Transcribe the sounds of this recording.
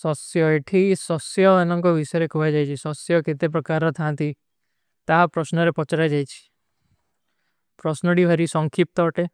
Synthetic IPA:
sɔsjɔeʈʰisɔsjɔanɔŋkɔbisɔjɾekʰubʱajd͡ʒajt͡ʃʰisɔsjɔket̪ep̬ɾɔkaɾɔt̪ʰant̪i | t̪aɦapɾɔsnɔɾepɔt͡ʃaɾajd͡ʒajt͡ʃʰi̥ | pɾɔsnɔɽibʱaɾisɔŋkʰip̚t̪ɔːʈe

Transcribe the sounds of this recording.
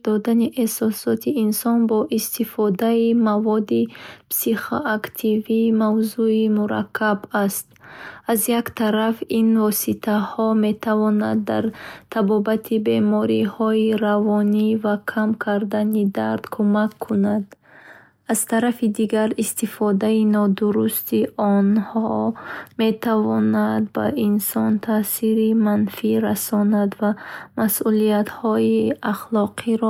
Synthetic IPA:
d̪ɔd̪aniʔehsɔsɔt̪ʰiːnsɔnbɔʔist̪ifɔd̪aimavɔd̪ipsiχo̰ʔakt̪ʰivimavzuimuɾa̰kʰːabast̪̚azjakt̪ʰaɾafinvɔsit̪ʰahɔme̞t̪ʰavɔnad̪ːa̰ɾt̪ʰabɔbat̪ʰibe̞mɔɾihɔiɾavɔnivakʰamkʰaɾd̪anid̪aɾd̪̥kʰumakʰːunad̪ | az̥t̪ʰaɾafid̪iɡaɾist̪ifɔd̪ainɔd̪uɾust̪iʔɔnhɔme̞t̪ʰavɔnad̪ba̰insɔnt̪ʰasiɾimanfiɾasɔnad̪vamasʔuliat̪hɔiaχlɔqʰiɾɔ

